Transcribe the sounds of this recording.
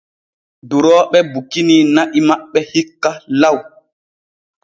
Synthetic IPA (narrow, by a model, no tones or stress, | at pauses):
duɾɔːɓɛbukininaʔimaɓːɛhikːalaw